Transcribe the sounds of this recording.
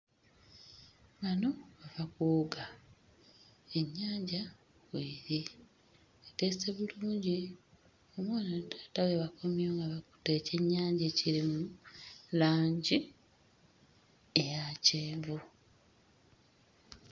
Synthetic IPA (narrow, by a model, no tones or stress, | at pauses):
βano̞βavakuːɡa | e̞ɲːaːɲɟa | wwiːɾi | ekeseβuluːɲɟi | omwaːnatḁtaweβakomjoːŋɡaβaku̥teːce̞ɲːaːɲɟeciɾimulaːɲɟi | ejaːceːɱvu